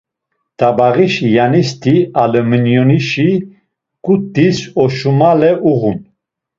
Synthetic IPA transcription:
d̪̥abaʁiʃijanist̪ʰialəmənjɔniʃi | ɡ̥ut̪̚ːisɔʃumalɛʔuʁun

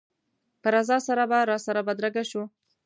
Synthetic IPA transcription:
pəɾazɑsaɾabaɾɑsaɾabad̪ɾaɡaʃu

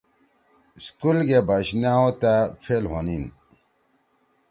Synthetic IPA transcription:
skulɡebaɕnaot̪apʰelɦonin

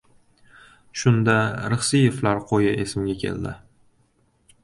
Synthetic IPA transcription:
ʃʊnd̪aɾɨχsijeflaɾqʰojɪʔe̞sɪmɡʲakʲʰe̞̰ld̪ɪ̰

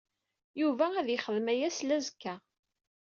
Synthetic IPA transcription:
juvææðjəχəðmæjæslæzəkːæ

